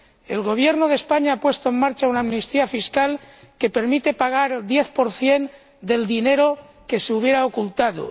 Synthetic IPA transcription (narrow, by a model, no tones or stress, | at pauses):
e̞̰lɣo̞β̞je̞ɾnoð̞e̞spaɲaapwe̞st̪oe̞nmaɾt͡ʃaunaːmnist̪iafiskal | ke̞pe̞ɾmit̪e̞paɣ̞aɾeld̪je̞θpo̞ɾθje̞n | d̪e̞ld̪ine̞ɾo̞ | ke̞seuβ̞je̞ɾao̞kult̪aðo̰